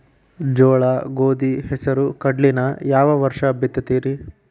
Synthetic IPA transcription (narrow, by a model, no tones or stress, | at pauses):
d͡ʒɔːɭaɡoːd̪ihɛsɐɾukɐɖlinɐjaːʋɐʋɐɾʂɐbit̪ːɐt̪iːɾi